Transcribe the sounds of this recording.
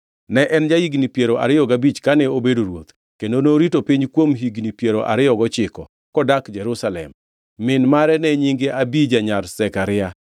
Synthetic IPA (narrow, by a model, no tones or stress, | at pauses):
nɛʔɛnd͡ʒajiɡnipjeɾoʔa̰ɾɪjɔɡabit͡ʃkanɛobedoɾwo̰t̪ | kendonoɾitopiɲkwomɦiɡnipjeɾoʔa̰ɾɪjɔɡɔt͡ʃɪkɔ | kɔdakd͡ʒɛɾusalɛ̰mː | ɪnmaɾɛnɛɲiŋɡeʔabid͡ʒaɲarsɛkaɾɪa